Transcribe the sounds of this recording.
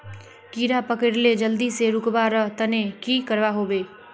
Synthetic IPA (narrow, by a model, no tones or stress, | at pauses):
kiɾapəkəɾled͡ʒəld̪iseɾʊkbaɾəɦt̪ənekikəɾbaɦoːbeː